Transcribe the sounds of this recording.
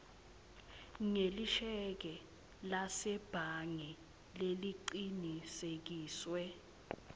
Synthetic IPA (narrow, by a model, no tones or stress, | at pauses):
ŋeliʃɛk̬ɛ | lasɛb̥ʱaŋɛ | leliǀinisek̬iːswɛ